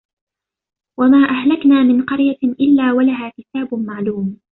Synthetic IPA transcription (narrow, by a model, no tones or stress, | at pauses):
wamaːʔahlaknaːmɪnqɑɾjaʔɪlːaːwalaɦaːkɪt̪aːbʊmaʕluːm